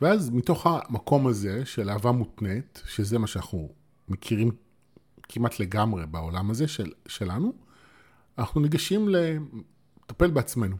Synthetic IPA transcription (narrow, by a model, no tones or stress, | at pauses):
veazmito̞χamako̞maze̞ʃe̞laːvamutnetʃeze̞maʃeanaχnu | mekʰiʁim | kʰimatʰle̞ɡamʁe̞baolamaze̞ʃeʃe̞lanu | anaχnuneɡaʃimle̞ | tape̞lbeat͡sme̞nu